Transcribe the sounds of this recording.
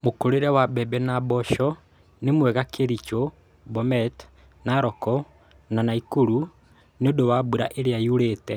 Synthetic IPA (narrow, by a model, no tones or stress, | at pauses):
mokoɾeɾɛwabɛbɛnabɔʃɔ | nemwɛɣakʰeɾit͡ʃo | bɔmɛt | naɾɔkɔ | nanaikuɾu | neodowabuɾa̰ʔeɾeajuɾeːtɛ